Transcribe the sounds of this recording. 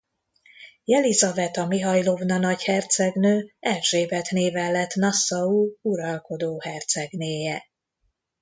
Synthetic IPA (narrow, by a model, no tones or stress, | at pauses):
jɛlizɒvɛt̪ɒmiɦɒjlo̞vnɒnɒɟhɛrt̪sɛɡnøːɛlʒeːbɛt̪neːvɛlːɛt̪ːnɒsːɒuːuɾɒlko̞d̪oːhɛrt̪sɛɡneːjɛ